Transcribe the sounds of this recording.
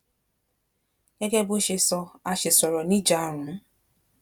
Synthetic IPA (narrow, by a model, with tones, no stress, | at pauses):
ɲe˦ɡe˦bʊ˦ʃɪ˨sɔ˦a˦ʃɪ˨sɔ˨ɾɔ˨ni˦d͡ʒa˦ɾʊ˨˦